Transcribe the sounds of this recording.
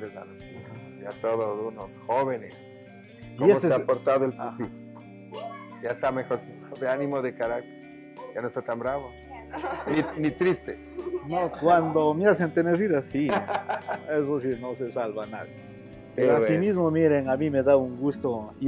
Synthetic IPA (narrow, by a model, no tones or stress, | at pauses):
lezna̰ðesti | jat̪oðosunosxoβenes | kioemoseeapoɾt̪aðoelpi | ʝaest̪amexoɾsit̪oðeanĩmoðekaɾak̚t̪eɾ | ʝanoest̪at̪ambɾaβo | ninit̪ɾist̪e | nokwand̪o̞mease̞nt̪eneɾiɾasi | ezosino̞se̞salβana̰ðje | peɾoasimizmomiɾe̞ŋamĩme̞ðauŋɡust̪oi